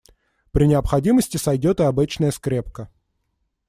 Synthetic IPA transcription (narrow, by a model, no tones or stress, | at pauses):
pɾʲɪnʲɪəpxɐdʲiməsʲtʲɪsɐjdʲot̪ɨɐbɨt͡ɕnəjəskɾʲe̞p̚kə